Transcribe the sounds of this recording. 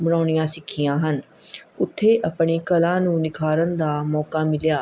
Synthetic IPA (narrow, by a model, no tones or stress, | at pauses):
bəɽ̃aːɳ̃ijãːsɪkʰːɪjãːɦən | ʊt̪ʰːeːʔəpɳ̃iːkəlãːnũːnɪkʰaːɾənd̪aːmɔːkaːmɪljaː